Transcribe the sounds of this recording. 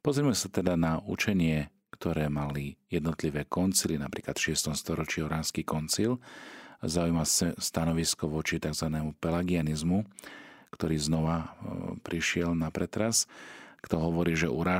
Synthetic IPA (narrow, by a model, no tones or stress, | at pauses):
pɔzɾimɛsat̪ɛd̪anaut͡ʃɛɲɪɛ | kt̪ɔɾɛːmalijɛd̪nɔt̪liʋɛːkɔnt͡silinapɾḭːklat̪fʃɪɛst̪ɔmst̪ɔɾɔt͡ʃiːɔɾaːnskiːkɔnt͡sil | zaujmasɛst̪anɔʋiskɔʋɔt͡ʃit̪aɡzʋanɛːmupɛlɛɡianizmukt̪ɔɾiːznɔʋapɾiʃɪɛlnapɾɛt̪ɾaskt̪ɔɦɔʋɔɾiːʒɛʔuɾaː